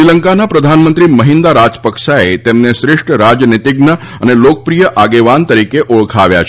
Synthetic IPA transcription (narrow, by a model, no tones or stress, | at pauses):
ɾiləŋkanapɾəd̪ʱanmənt̪ɾiməɦind̪aɾad͡ʒpəkʃaet̪emneʃɾɪʂʈəɾad͡ʒnit̪iɡnə | ənelok̚əpɾijəʔaɡeʋant̪əɾikeʔoɭkʰaʋja̰t͡ʃʰ